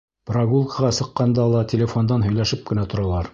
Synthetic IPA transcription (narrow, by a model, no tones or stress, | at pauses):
prɑɡulˠkʰəʁɑsɤ̆qːɑnd̪ɑlˠɑtʲelʲɪfond̪ɑnɦɵ̆jlæʃɘp̚kɘ̆næt̪ŏɾɑlˠɑɾ